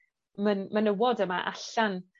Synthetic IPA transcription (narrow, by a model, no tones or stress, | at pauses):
mənmanəwɔdəmaʔa̰ɬan